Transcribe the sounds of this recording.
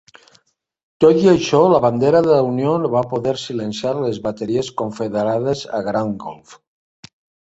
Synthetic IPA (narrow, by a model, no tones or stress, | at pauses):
t̪ot̪iaʃɔlaβand̪eɾaðelaunjonβapoðeɾsilensjaɾlezβat̪eɾieskoɱfeðeɾað̞eza̰ɣɾaŋɡo̰lf